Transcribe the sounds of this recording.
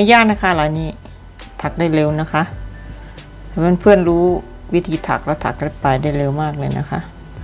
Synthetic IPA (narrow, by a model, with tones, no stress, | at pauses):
ma˧˩jaː˥˩k̚na˦˥kʰa˦˥˩laː˨˧˩niː˦˥˩ | t̪ʰa˨˩k̚daː˥˩jle˧wna˦˥kʰa˦˥ʔ | maː˧˥˨npʰɯ˥˩ənɾuː˦˥ | wi˦˥t̪ʰiː˧˦t̪ʰa̰˨˩k̚lɛː˦˥wt̪ʰa̰˨˩k̚le˧˥pːaː˨˩jdaː˥˩jle˧wmaː˥˩k̚lɤː˧jna̰˦˥kʰa̰˦˥ʔ